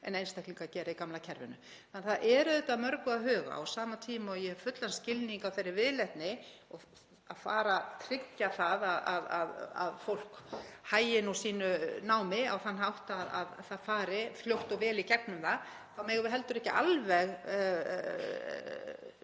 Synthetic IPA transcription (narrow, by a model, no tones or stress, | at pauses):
ɛ̰nejnst̪ahk̪liŋkacɛːɾaikamlacʰɛɾvɪ̰nʏ̰ | anθaðʔɛːɾʏɛt̪aðmœɾkʏaðɦœːɣa̰a̰wsaːmat̪ʰiːmaɔjɛhɛvfʏt̪lanscɪlniŋkawθejɾːɪɾvɪðlɛht̪nɪɔɣ | aðfa̰ːɾat̪ʰɾɪcːaθaðaðaðaða̰ðfowl̥khaːjɪnusiːnʏnaːwmɪa̰wθanːɦawht̪aða̰ðθaðfaːɾɪfljowht̪ɔvɛːlicɛknʏmða | θawmɛɣvɪðɦɛl̪t̪ʏɾɛhcɪʔalvɛɣ